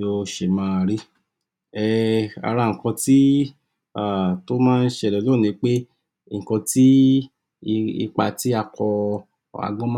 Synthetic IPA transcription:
o˧ʃe˨mãː˦˧ɾi˦ | ɛ˦˧a̰˧ɾa˧˨ŋ̩˨kɔ̃˧ti˦ | a˨to˦mãː˦˧n̩˦ʃe˦˧˨lɛ˨lo˦˨nĩ˧˦k͡pe˦ | ŋ̩˨kɔ̃˧ti˦˧ | ḭ˧k͡pa˧ti˦a˧kʰɔ˧ | a̰˧ɡ͡bɔ̃˦m̃˦

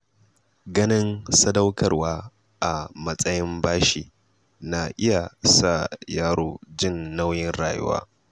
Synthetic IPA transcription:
ɡɐ˦nɪ˦nsɐ˦dɐ˦wkɐ˨rwaː˦ | ʔa˨mɐ˦sʼɐ˦jɪ˦mbaː˦ʃiː˨ | na˨ʔɪ˦ja˨sa˦˨jaː˦ɽoː˦˨d͡ʒɪ˦˨nːa˦wjɪ˦nɽaː˨jʊ̰˦wa̰ː˦

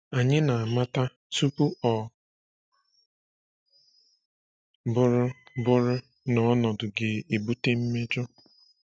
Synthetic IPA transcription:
a˨ɲɪ˦na˨a˨ma˦ta˦ | tu˦pu˦ɔ˨ | bʊ˦ɾʊ˦bʊ˦ɾʊ˦ | nɔ˨˦nɔ˨dʊ˨ɡɪ˨e˨bu˦te˦m̩˦me˦d͡ʒɔ˦

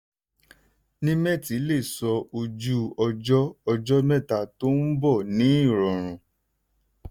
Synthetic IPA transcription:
nĩ˦mɛ̃˦˨ti˨˦le˦˨sɔ˧o˧d͡ʒu˦ɔ˧d͡ʒɔ˦ɔ˧d͡ʒɔ˦mɛ̃˦˨ta˦˨to˦n̩˦bɔ˦˨nĩ˨˦i˦˨ɾɔ˨ɾ̃ũ˨˧

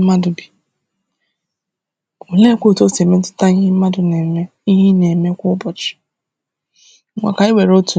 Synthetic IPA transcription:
ma˦dʊ˨bi̥˨ | o˨le˦kʷo˦˨to˦se˨me˦tʊ̥˦ta˦ɲ˦ɪ˦m̩˦ma˦dʊ˨ne˨me˦ | i˦ɦi˦ne˨me˦kʷʊ˦bɔ˨t͡ʃɪ̥˨˦ | ŋʷa̰˨ka˨i˦we˨ɾo˦tu˨

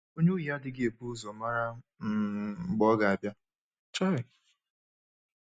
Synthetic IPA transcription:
o˦ɲu˦ja˦dɪ˨ɡɪ˦e˨pu˦zɔ˨ma˦ɾa˦m̩˦˨ɡ͡bɔ˦ɡa˨a˨bja˦ | t͡ʃɔ˦ɪ˨

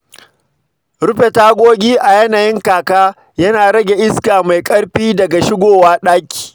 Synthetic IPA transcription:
ɽʊ˦ɸe˨taː˦ɡʷoː˦ɡʲiː˦ʔa˨jɐ˦naː˨jɪ˦ŋkaː˨kaː˦ | jɐ˦naː˨ɽɐ˦ɡʲe˨ʔɪ˦skaː˨ma˨jkʼɐ˦ɽɸiː˦dɐ˨ɡa˨ʃɪ˦ɡʷoː˨waː˦ɗaː˦kʲi̥ː˨

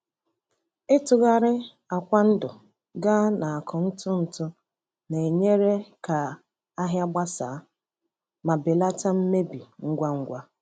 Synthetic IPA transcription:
ɪ˦tʊ˨ɣa˦ɾɪ˦ | a˨kʷa˦n̩˦dʊ˨ | ɡa˦na˨a˨kʊ˨n̩˦tʊ˦n̩˨tʊ˦ | ne˨ɲe˦ɾe˦ka˨ | a˦ɦja˦ɡ͡ba˦saː˨˦ | ma˨be˨la˦ta˦m̩˦me˦bi˨ŋ̩˦ɡʷa˦ŋ̩˦ɡʷa˦

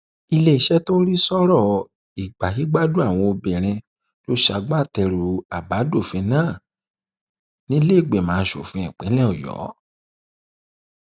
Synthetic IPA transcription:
i˧le˧i˨ʃɛ˦to˦ɾi˦sɔ˦ɾɔ˦˨ | i˨ɡ͡ba˨hi˨˦ɡ͡ba˦du˦a˦˨w̃ɔ̃˧o˧bɛ̃˨ɾ̃ĩ˧ | lo˦ʃa˧˨ɡ͡ba˦˨tɛ˧ɾu˨a˨ba˨˦do˦˨fĩ˨˧˦nãː˦˨ | nĩ˦le˦˨ɡ͡be˨mãː˨˦˧ʃo̰˨fĩ˧ĩ˨k͡pẽ˨˦lɛ̃˦ɔ˨jɔ̰˨˦

